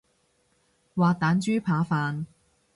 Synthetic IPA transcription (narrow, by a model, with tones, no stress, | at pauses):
waː˨t̪aː˨˥nt͡ʃyː˥pʰaː˨˧faː˨˧n